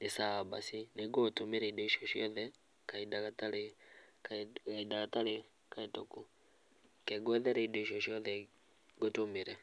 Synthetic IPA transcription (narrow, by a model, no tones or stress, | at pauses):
nesaaba̰sineɡotomeɾɛidɔiʃɔʃjɔðɛ | kaidakataɾekakaidakataɾe | kaetoku | kɛɡwɛðɛɾɛidɔiʃɔʃiɔðɛ | ɡotomeɾɛ